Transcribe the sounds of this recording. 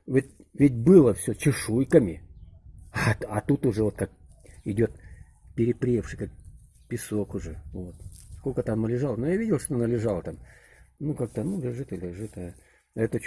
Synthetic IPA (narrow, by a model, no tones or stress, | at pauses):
vʲɪt̚ʲ | vʲɪt̚ʲbɨlˠəfsʲɵt͡ɕɪʂujkəmʲɪ | aɐt̪ut̪ʊʐɛvot̪̚kak̚ɪdʲo̞t̪̚ | pʲɪɾʲɪpɾʲefʂɨjkak̚ | pʲɪso̞kʊʐɛvot̪̚skokət̪amnəlʲɪʐalˠnojavʲidʲɪlˠʂt̪oonalʲɪʐalˠt̪amnukak̚t̪ənulʲɪʐɨt̪əlʲɪʐɨt̪ɐ | ɛt̪ə